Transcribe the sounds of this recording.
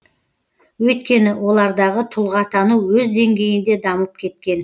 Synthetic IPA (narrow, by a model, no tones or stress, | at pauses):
wɵjt̪̚kʲe̞nɪwʔo̞lˠɑɾd̪ɑʁət̪ʰʊlˠʁɑt̪ʰɑnuwɵzd̪e̞ŋɡʲe̞jɪnd̪e̞d̪ɑməp̚kʲʰe̞t̪kʲe̞n